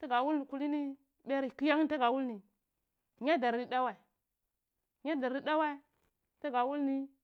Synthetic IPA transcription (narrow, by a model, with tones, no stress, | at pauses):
ta˦ɡa˨wu˦lni˨ku˦li˦ni˦ | be˦ɾi˨ki˦ja˦ŋ˦n˦ta˦ɡa˨wu˦lni˨ | ɲa˦da˨ɾi˦da˦wa˨i˨ | ɲa˦da˨ɾɾi˦da˦wa˦i˦ | ta˦ɡa˨wu˦lni˦